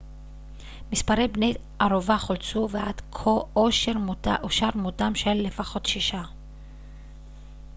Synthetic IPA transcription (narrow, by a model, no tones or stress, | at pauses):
mispaʁe̞jbnej | ʔaʁovaχolt͡suvead̪̥kʰooʃeʁʔoʃaɾmotamʃelːe̞faχo̞t̪ʃiʃa